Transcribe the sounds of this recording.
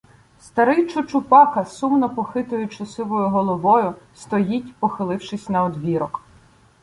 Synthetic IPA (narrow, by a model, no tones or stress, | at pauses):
st̪ɐɾɪjt͡ʃʊt͡ʃʊpɑkɐsumnɔpɔxɪt̪ʊjʊt͡ʃɐsɪʋɔjʊɦɔlˠɔʋɔjʊst̪ɔjitʲpɔxɪlˠɪwʃɪsʲnɐɔd̪ʋʲiɾɔk